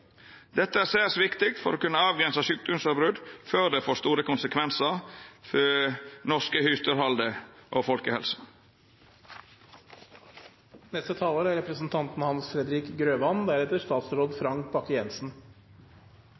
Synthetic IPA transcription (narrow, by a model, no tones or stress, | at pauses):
d̪̥ɛt̪ːəæːʁsæːʁsʋɪkt̪ɪk̚t̪fɔɾoːkʉnːəɑːʋɡɾɛnsəsyːk̚d̪ʊmsɑbɾʉd̪føːʁd̪efoːst̪uːɾəkʰʊnsəkʰʋɛnsəʁfœnɔskəhyst̪əɾhɑld̪əʔoːfɔlkəhɛ̰lsə̥ | nɛst̪ət̪ʰɑːloːɾæɾɛpɾəsn̩t̪ʰɑnt̪n̩hɑnsfɾɛd̪ɾiːkɡɾøːʋɑnd̪æɾɛt̪əʂt̪ɑːt̪sɾoːd̪fɾɑŋk̚bɑkəjɛnsn̩